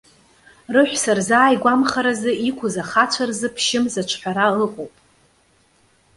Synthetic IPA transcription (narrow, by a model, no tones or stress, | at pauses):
rɨħᶣʷsarzaːjɡʷamχaɾazɨikʷʰʊzaχat͡ʃʷʰarzɨpʰʃɪmzat͡ʃʷʰħʷᶣaɾaɨqʼowpʼ